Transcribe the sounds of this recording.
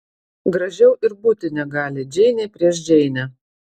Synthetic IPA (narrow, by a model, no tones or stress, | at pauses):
ɡɾɐʒʲɛʊʔɪɾbuːt̪ʲɪnʲɛɡɑːlʲɪd͡ʒʲɛɪnʲɛpʲɾʲiɛʃd͡ʒʲɛɪnʲɛ